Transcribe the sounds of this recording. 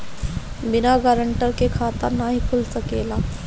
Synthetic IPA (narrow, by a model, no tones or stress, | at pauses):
bɪnaɡəɾəɳʈəɾkekʰaːt̪ənaɦikʰʊlsəkeːlaː